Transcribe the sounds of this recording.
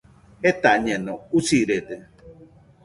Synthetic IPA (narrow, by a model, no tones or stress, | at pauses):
et̪aɲenõusiɾed̪e